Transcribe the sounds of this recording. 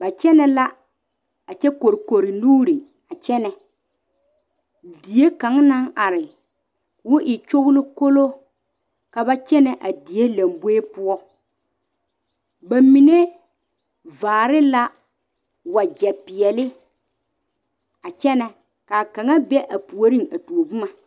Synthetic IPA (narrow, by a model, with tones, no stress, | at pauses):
ba˨t͡ʃɛ˦nɛ˨la˦ | a˨t͡ʃɛ˦ko˨ɾi˨ko˨ɾi˨nuː˦ɾi˨ | a˨t͡ʃɛ˦nɛ˨ | di˨e˦ka˨˦ŋna˦ŋʔa˨ɾɪ˨ | wʊ˦ʔɪ˨t͡ʃo˦ɣlʊ˦ko˦lo˦ | ka˨ba˦t͡ʃɛ˦nɛ˨ʔa˨di˨e˦la˨mbe˦pʊ˦ɔ˦ | ba˨mi˨ne˦ | vaː˨ɾɪ˦la˦ | wa˨d͡ʒɛ˨pɪ˨ɛ˨lɪ˦ | a˨t͡ʃɛ˦nɛ˨ | ka˨ka˨ŋa˦bɛ˦ʔa˨pu˨o˦ɾi˦ŋa˨tu˨o˨bʊ˦ma˨